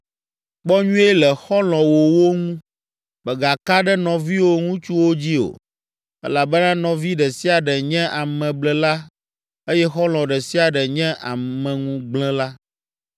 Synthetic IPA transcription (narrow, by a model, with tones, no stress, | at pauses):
k͡pɔ˦ɲũ˦ɛ˦lɛ˨xɔ˦lɔ̃˨wo˨wo˦ŋũ˦ | bɛ˨ɡa˨ka˦ɖɛ˦nɔ̃˨vi˦wo˦ŋũ˦t͡ʃu˦wo˦d͡ʑi˦o̰˨ | ɛ̰˦la˨bɛ˦nã˦nɔ̃˨vi˦ɖɛ˨si˦a˨ɖɛ˨ɲɛ̃˦ʔa˨mɛ̃˨blɛ˨la˦ | e˦jɛ˦xɔ˦l̃ɔ̃˨ɖɛ˨si˦a˨ɖɛ˨ɲɛ̃˦ʔa˨mɛ̃˨ŋũ˦ɡ͡blɛ̃˦la˦